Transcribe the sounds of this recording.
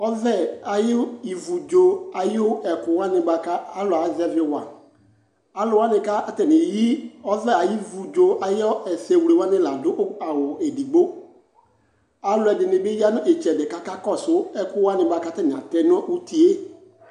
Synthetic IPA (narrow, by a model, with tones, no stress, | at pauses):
ɔ˦zɛ˦˨a˨jɪ˦i˨vu˨d͡ʒo˦a˨jɛ˨kʊ˨wa˦nɪ˨ɡ͡ba˨ka˦a˦lʊ˨a˨˦zɛ˨vɪ˦wa˨ | a˨lʊ˨wa˦nɪ̃˨ka˦a˦tɛ˨nɪ˨ji˦ɔ˦zɛ˦a˨ji˦vu˨d͡ʒo˨a˨jɪ˦ɔ˦ɛ˨sɛ˨wu˨e˨wa˦nɪ˦la˨dʊ˦ʔa˨wʊ˨e˨di˨ɡ͡bo˦ | a˨lʊ˨ɛ˨dɪ˨nɪ˨bɪ˦ji˦a˦nʊ̃˦ʔe˨t͡ʃɛ˨dɪ˨ka˦ka˦kɔ˦˨sʊ˦ɛ˦kʊ˦wa˦nɪ̃˨ɡ͡ba˨ka˦tɛ˦nɪ̃˨a˨tɛ˨n˦ɔ˦ʔu˦ti˨e˦